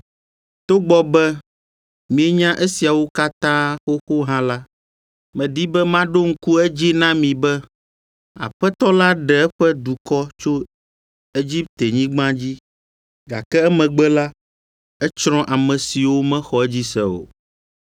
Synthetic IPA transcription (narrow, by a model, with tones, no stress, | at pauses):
t̪o˦ɡ͡bɔ˦bɛ˦ | mĩ˨ɛ˦ɲã˦ʔe˦si˨a˨wo˦ka˦t̪ã˦xo˦xo˦ɦã˦la˦ | mɛ̃˨di˦bɛ˦mã˦ɖo˦ŋ̩˦ku˦ɛ˦d͡ʑi˦nã˦mĩ˨bɛ˦ | a̰˨ɸɛ˦t̪ɔ˦la˦ɖɛ˨ɛ˦ɸɛ˦d̪u˨kɔ˦t͡ʃo˦ | e˦d͡ʑi˦p̚t̪e˨ɲĩ˦ɡ͡bã˦d͡ʑi˦ | ɡa˨kɛ˦ɛ˦mɛ̃˨ɡ͡bɛ˦la˦ | ɛ˦t͡ʃɾ̃ɔ̃˦ʔa˨mɛ̃˨si˨wo˦mɛ̃˦xɔ˨ɛ˦d͡ʑi˦sɛ̰˨o̰˨